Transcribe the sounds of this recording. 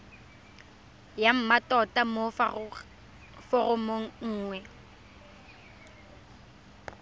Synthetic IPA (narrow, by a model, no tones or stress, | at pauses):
jam̩matʼɔtʼamo | fʊrʊmoŋ̩ŋ̩ːŋwɛ